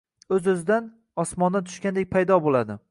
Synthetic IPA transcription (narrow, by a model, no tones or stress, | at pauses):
ɵzɵzɪd̪an | ɒsmɒnd̪ant̪ʰʊ̥ʃkʲand̪ek̚ʲpʰajd̪ɒbolˠad̪ɪ